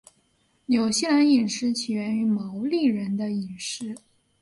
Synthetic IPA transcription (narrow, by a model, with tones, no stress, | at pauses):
jo˨˩ʊɕi˥˩la˧˥ni˨˩nʂɻ̩˥t͡ɕʰi˨˩ɥɛ˧˥ny˧˥mɑ˧˥ʊli˥˩ɻə˧˥nd̪ə˧i˨˩nʂɻ̩˥